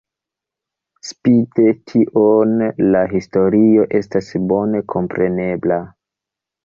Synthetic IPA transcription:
spite̞tʰiʔonlaɦisto̞ɾio̞ʔe̞stasbo̞ne̞kʰo̞mpɾe̞ne̞bla

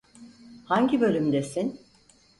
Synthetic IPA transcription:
haɲɟibø̞lʲymd̪esin

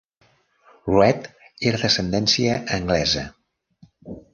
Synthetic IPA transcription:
rwɛt̪ | eɾðəsənd̪ɛnsiəʔːŋɡlɛzə

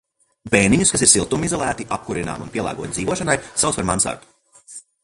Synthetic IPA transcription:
beːniɲuskas̬iɾsilˠt̪umizɔlˠæːt̪iʔap̚kuɾina̰ːmunpʲiɛlˠa̰ːɡuɔt̪d̪ziːʋuɔʃanajsawt̪paɾmansa̰ɾt̪u̥

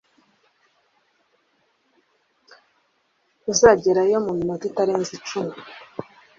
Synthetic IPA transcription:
uzaɟeɾajomuminotitaɾeːnzit͡ʃumu

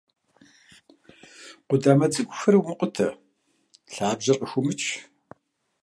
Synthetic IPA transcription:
qʷʊdaːmɐt͡sʼɨɡʷʼʊxɐɾiwmɨqʷʼʊtʰɐ | ɬaːbʑɐrʔəxʷʊmɨt͡ʃʼʰ

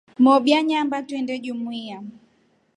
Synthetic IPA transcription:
mɔɓjaɲambatwɛndɛʄumwia

